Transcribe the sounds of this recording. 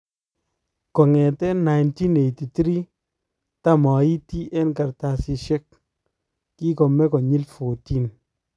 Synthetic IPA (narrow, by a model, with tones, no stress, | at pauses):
kɔ˨ŋe˨tɛ˦na˨jnti˦ne˨ti˨ti˦ɾi˦ | ta˦mɔ˨i˦ti˦ʔɛ˦nka˨ɾta˧˨si˧ʃe˦k̚ː | i˦kɔ˨mɛ˦kɔ˨ɲi˦lfo˨ti˦n